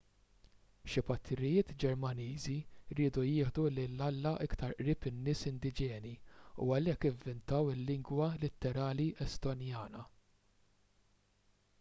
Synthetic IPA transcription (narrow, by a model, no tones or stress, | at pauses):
ʃɪpɐt̪ʰːɪɾɪjɪːt̪d͡ʒɛɾmɐniːziɾiːd̪ujɪːħd̪ulɪlːɐlːɐʔɪkt̪ɐɾʔɾɪːpɪnːɪːsɪnd̪ɪd͡ʒɛːniṵɐlɛkːɪvːɪnt̪ɐwɪlːɪŋɡwɐlɪt̪ːɛɾɐːliʔɛst̪ɔnjɐːnɐ